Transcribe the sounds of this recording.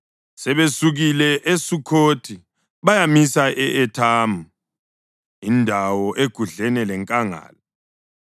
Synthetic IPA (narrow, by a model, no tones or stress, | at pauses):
sɛβesuɣilɛʔesukʰoːtʰi | βajamisaʔɛʔɛtʰaːmu | indʱawɔʔeɡ̥ʱuɮɛnɛlɛŋkʼaŋa̰ːlɔ